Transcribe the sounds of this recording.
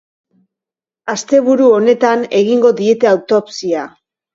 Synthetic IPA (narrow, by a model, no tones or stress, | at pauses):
ast̪e̞βuɾuo̞ne̞t̪ane̞ɣiŋɡo̞ðie̞t̪e̞awt̪o̞psia